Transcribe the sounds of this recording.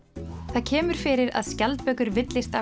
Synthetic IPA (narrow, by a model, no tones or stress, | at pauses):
θaðcʰɛːmʏɾ̥fɪɾɪɾa̰ðscalt̪̚pœːɥkʏɾvɪt̪lɪst̪a